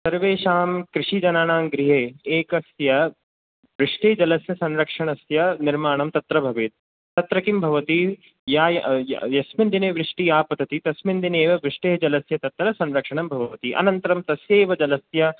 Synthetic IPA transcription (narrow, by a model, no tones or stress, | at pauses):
sɐɾʋeːʃaːmkɾɪʂid͡ʒɐnaːnaːmɡɾiɦeːeːkɐsjɐ | ʋɾɪʂʈeːd͡ʒɐlɐsjɐsɐnɾɐkʂɐɳɐsjɐnɪɾmaːɳɐmt̪ɐt̪ɾɐbʱɐʋɪt̪̚ | t̪ɐt̪ɾɐkimbʱɐʋɐt̪i | jaːjjjɐsmɪnd̪ineːʋɾɪʂʈijaːpɐt̪ʰɐt̪it̪ɐsmind̪ineːʋɐʋɾɪʂʈeːd͡ʒɐlɐsjɐt̪ɐt̪ːɾɐsɐ̃nɾɐkʂɐɳɐmbʱɐʋɐʋɐt̪iʔɐ̰nɐnt̪ɐɾɐmt̪ɐsjeːʋɐd͡ʒɐlɐsjɐ